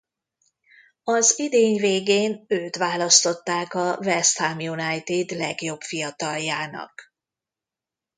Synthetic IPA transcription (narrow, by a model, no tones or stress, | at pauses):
ɒzid̪eːɲveːɡeːnøːt̪ʋaːlɒst̪o̞t̪ːaːkɒvɛst̪hamjunajt̪id̪lɛɡjo̞bfijɒt̪ɒljaːnɒ̰k